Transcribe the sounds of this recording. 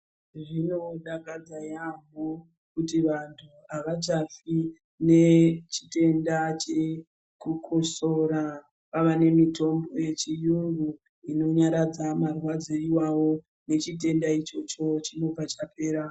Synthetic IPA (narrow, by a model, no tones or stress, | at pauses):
ʐino̞ɗaɡad͡zajamo | kutiʋantʰu | aʋat͡ʃafi | ne̞t͡ʃi̥te̞ndat͡ʃe | kukʰosoɾa | paʋane̞mito̞mbo̞je̞t͡ʃijuŋɡu | ino̞ɲaɾad͡zamarwad͡zoiwawo̞ | ne̞t͡ʃite̞ndait͡ʃo̞t͡ʃo̞t͡ʃimopat͡ʃape̞ːɾa